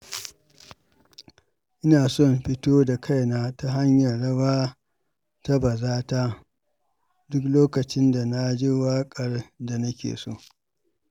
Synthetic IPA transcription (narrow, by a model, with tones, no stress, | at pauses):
ʔɪ˦naː˨sɔ˦˨mɸɪ˦toː˦da˨kʰa˦jnaː˦ta˦ɦa˦ɲjɐ˨rɽɐ˦waː˦ | ta˦bɐ˨zaː˦ta˦ | dʊ˦kloː˦kɐ˨t͡ʃɪ˦nda˨na˦d͡ʒi˦waː˦kʼɐ˨rda˨nɐ˦kʲḛː˨so̰ː˦˨